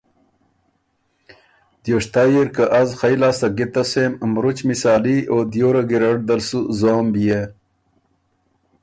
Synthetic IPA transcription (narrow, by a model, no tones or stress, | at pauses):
d̪̥joːʂt̪aːjiɾkɐʔazxɐjlaːsɐɡit̪ɐsemmɾut͡ɕmisaːliʔoːd̪joːɾɐɡiɾɐʈ̚d̪ɐlsuzoːmbije